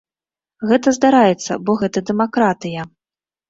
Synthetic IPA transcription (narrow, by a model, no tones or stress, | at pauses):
ɣɛt̪ɐzd̪aɾajɛt̪sːɐ̰bɔɣɛt̪ɐd̪ɛmakɾat̪ɨjɐ